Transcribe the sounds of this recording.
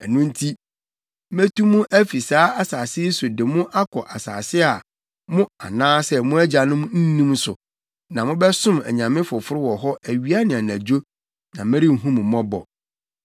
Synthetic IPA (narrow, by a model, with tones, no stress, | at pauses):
ɛ˨nũ˦n̩˦tʰi˦ | mæ˦tu˦mũ˦ʔæ˦fi˨saː˨˦a˨saː˨sɪ˦sʊ˨dɪ˨mʊ̃˦ʔa˦kʰɔ˨ʔa˨sa̰ː˨sɪ˦a˨ | mʊ̃˦a̰˨nãː˦sɛ˦mʊ̃˦æ˦d͡ʑa˨nʊ̃˦m̃˦n̩˦nĩ˦msʊ˨ | nã˨mʊ̃˦bɛ˦sʊ̃˦mæ̰˨ɲã˨mɪ̃˦fʊ˨fʊ˦ɾɪ˦wɔ˨ɦɔ˦ʔæ˨ɥi˦a˦nɪ̃˨a˨næ̃˨d͡ʑo˦ | nã˨mɪ̃˦ɾi˦m̩˨ɦũ˦m̃˨mːɔ̃˦bɔ̰˨